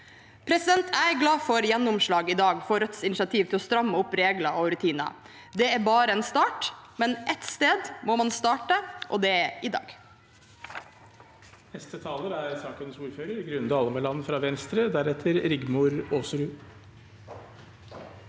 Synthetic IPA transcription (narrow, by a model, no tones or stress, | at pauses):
pʰɾɛsɪd̪ɛnt̪ʰæɪɡlɑːfɔɾjɛnːʊmʂɭɑːɡɪd̪ɑːɡfɔɾœt̪sɪnɪʃɑt̪ʰiːʋt̪ɪlɔst̪ɾɑmːəʊpɾeːɡlɑʔɔɾʉt̪ʰiːnɑ̰ | d̪ɛæbɑːɾəɛːnst̪ɑːʈmɛnʔɛt̪st̪eːd̪moːmɑnst̪ɑːʈəʔɔ̰d̪ɛɪd̪ɑ̰ːɡ | nɛst̪ət̪ʰɑːləɾæɾsɑːkənsuːɾføːɾəɾɡɾʉnd̪ɑːləməlɑnːəfɾɑːʋɛnst̪ɾəd̪æɾɛt̪ʰəɾɾɪɡmʊɾoːsɾʉ